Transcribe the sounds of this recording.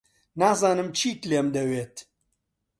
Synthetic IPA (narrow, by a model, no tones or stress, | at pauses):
naːzaːnɨmt͡ʃʰiːt̪leːmd̪ɐweːt̪